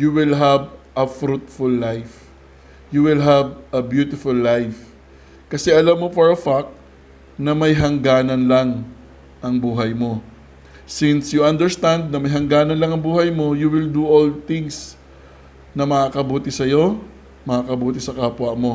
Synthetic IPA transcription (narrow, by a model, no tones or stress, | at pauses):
juwɪlɦɐvʔɐfɾut̪fʊlːajf | juwɪlɦɐvɐbjut̪ɪfʊlːajf | kɐsɛʔɐlamːofɔɹɐfak̚ | nɐmɐjɦɐŋɡaːnɐnlɐŋ | ʔɐŋbuːɦɐjmo̞ | sɪ̃nsjʊʔɐnd̪ɛɹst̪ãnd̪̚nɐmɐjɦɐŋɡaːnɐnlɐŋɐŋbuːhɐjmo̞juwɪld̪uʔolt̪ɪ̃ŋs | nɐmɐakɐbuːt̪ɪsɐjo̞ | mɐakɐbuːt̪ɪsɐkaːpwɐmo̞